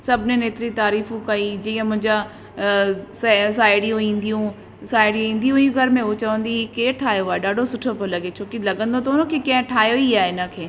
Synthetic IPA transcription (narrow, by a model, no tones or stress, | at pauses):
sɐbʱnẽneːt̪ɪɾit̪aːɾiːfũkaid͡ʑiːə̃mʊ̃ɦɪ̃ɲd͡ʑa | ss̬aːɪɽijũĩːnd̪ijũ | saːɪɽijũĩːnd̪ijũijũɡʱɐɾmẽʊt͡ɕɐʋə̃nd̪ikeːʈʰaːjoaːeɖaːɖʱosʊʈʰopəlɐɡet͡ʃʰoːkilɐɡə̃nd̪ot̪ɐʊnə̃kʰekɐ̃ɦʈʰaːjoiaːeɪnəkʰeː